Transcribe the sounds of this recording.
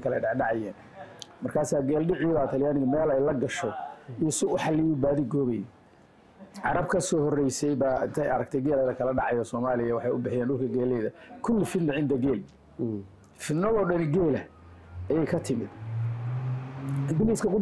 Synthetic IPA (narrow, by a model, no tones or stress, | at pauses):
kʰɐlɛɖɑʕɑja̰ːn | mɐrkʰaːsaːɡɛːlɖɪʕɪjðaːt̪ʰɐljaːnɪɣɐmɛːlɛjlɐɡɐʃɔijɔsɪʊħɑlijʊbaːðɪɡɔːβɛjɛ | ʕɑɾɐbkʰɐsɔːhɔrɛjsɛjbaːɪ̰nt̪ʰɛjɐ̰ɾɐɡ̚t̪ʰɛjɡɛːlɐðɐkʰɐlɐɖɑʕɑjɔsɔːmaːlɪjɐwɑħɑjʊbɪħɪjaːnɖʊlkʰɐɡɛːlɛːðɐkʰʊlːɪfɪd̪nːɪʕɪnd̪ɐɡɛːl | fɪnɔðɔːɖɐnɡɛːlɐ | ɐjɛjkʰɐt̪ʰɪmɪd̪ | ɡɪliːskʰɐkʰʊ